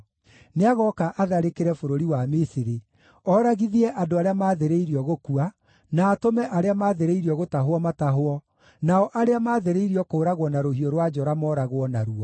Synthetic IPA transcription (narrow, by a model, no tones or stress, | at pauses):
neaɣɔkaʔaðaɾekeɾɛfoɾoɾiwamisiɾe | ɔːɾaɣiðiɛʔadoaɾeamaːðeɾeiɾiɔɣokua | naːtomɛʔaɾeamaðeɾeiɾiɔɣotaɦoɔmataɦoɔ | naɔʔaɾeamaðeɾeiɾiɔkoːɾaɣwɔnaɾohioɾwad͡ʒɔɾamɔɾaɣwɔnaɾuɔ